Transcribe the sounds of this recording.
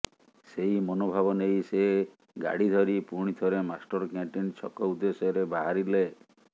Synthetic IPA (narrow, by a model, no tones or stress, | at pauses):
seɦimɔnobʱabɔnejse | ɡa̰ɽid̪ʱɔɾipuɾɽ̃it̪ʰɔɾemasʈɔɾɔkaɳʈint͡ʃʰɔ̰kɔud̪ːesɔɔɾebaɦaɾile